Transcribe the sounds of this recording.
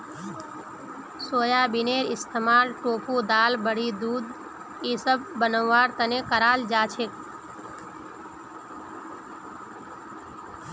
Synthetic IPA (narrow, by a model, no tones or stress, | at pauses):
soːjabineɾɪst̪ʰəmalʈoːpʰud̪aːlbəɽ̤id̪ud̪ | esəb̚bənəʋːaɾt̪ənekəɾald͡ʒat͡ʃʰek